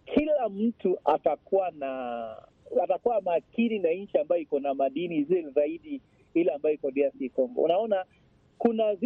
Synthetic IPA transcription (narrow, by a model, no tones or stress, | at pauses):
kʰilam̩tuʔatakuwana | atakuwamaːkininaɲ̩t͡ʃiambajɔikɔnamaɗinizɛlzaiɗi | ilaambajɔikɔɗiasikɔŋɡɔ̰ṵnaɔna | kunaz